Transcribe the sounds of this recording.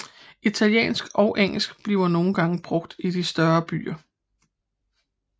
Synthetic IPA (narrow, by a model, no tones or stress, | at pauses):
it͡sʰæljḛːnsɡ̥ɒ̽ʊʔeŋ̰l̩sɡ̥b̥liʊɐno̝ːn̩ɡ̥ɑ̈ŋəb̥ʁɔ̽ɡ̥d̥id̥isd̥ɶɐb̥y̰ːɐ